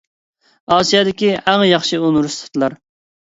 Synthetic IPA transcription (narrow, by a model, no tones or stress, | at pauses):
ɑːsijɑd̪ɪkʲiæŋjɑχʃɨonɾust̪ʰɨ̥t̪ʰlˠɑɾ